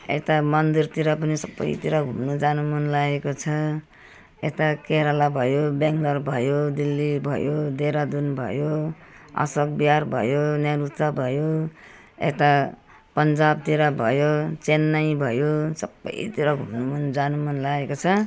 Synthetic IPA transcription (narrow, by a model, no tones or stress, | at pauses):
ḛt̪amʌnd̪irt̪iɾʌpʌnisʌbːʌ̰j̰t̪iɾaɡʱumnud͡zanumʌnlaekot͡sʰʌ | ḛt̪akeɾalabʱʌjobaŋɡlʌrbʱʌjod̪ilːibʱʌ̰jod̪eɾad̪unbʱʌ̰jo | a̰sʌk̚biarbʱʌ̰jonjelut̪sabʱʌjo | ḛt̪a | pʌnd͡zab̚t̪iɾabʱʌjot͡senːaj̃bʱʌjosʌbːʌ̰jt̪iɾʌɡʱumnumʌnd͡zanumʌnlaɡekot͡sʰʌ